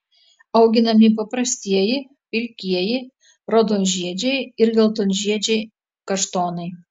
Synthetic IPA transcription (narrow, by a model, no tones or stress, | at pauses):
ɐʊɡʲɪnɐmʲip̬ɐpɾɐsʲt̪ʲiɛjɪ | pʲɪlʲkʲiɛjɪ | ɾɔd̪onʲʒʲiɛd͡ʒʲɛjɪɾlʲɛlˠt̪onʲʒʲiɛd͡ʒʲɛj | kɐʃt̪oːnɐj